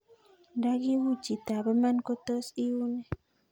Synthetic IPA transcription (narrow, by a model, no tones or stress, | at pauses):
ndaɡiwut͡ʃit̪abəmankot̪ɔsiune